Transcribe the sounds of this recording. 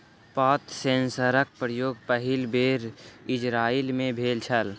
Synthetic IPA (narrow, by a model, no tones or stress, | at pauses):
paːt̪sẽːnsəɾək̚pɾəjoːɡ̚pəɦɪlbeːɾɪd͡ʒɾaːɪlmẽbʱeːlt͡ʃʰəl